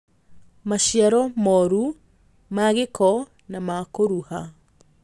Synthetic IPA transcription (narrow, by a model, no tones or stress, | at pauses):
maʃjiaɾɔmɔɾu | maɣekʰɔ | namakoɾuha